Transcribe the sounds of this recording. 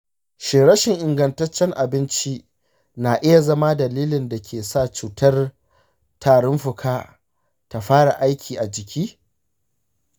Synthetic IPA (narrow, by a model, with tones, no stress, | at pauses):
ʃeː˨ɽɐ˦ʃɪ˨ŋʔɪ˨ŋɡɐ˨ntɐ˦t͡ʃːɛ˦ŋʔa˨bɪ˦nt͡ʃi˦ | na˨ʔɪ˦ja˨zɐ˦ma˦dɐ˨liː˦lɪ˨nda˨kʲʰeː˨sa˦˨t͡ʃuː˨tɐ˦r | tʰaː˨ɽɔ˦mɸɪ˨kʰaː˦ | ta˨ɸaː˦ɽa˨ʔa˦jkʲʰiː˨ʔa˨d͡ʒɪ˨kʲiː˦